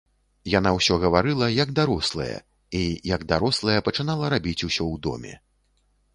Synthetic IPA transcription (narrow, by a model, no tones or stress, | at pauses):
jan̪awsʲɔɣɐvaɾɨlˠɐjɐɡd̪aɾɔslˠɐ̰jɐ̰ | ijɐɡd̪aɾɔslˠɐjɐpɐt͡ʂɨnalˠɐɾabʲit͡sʲusʲɔwd̪ɔ̰mʲɛ̰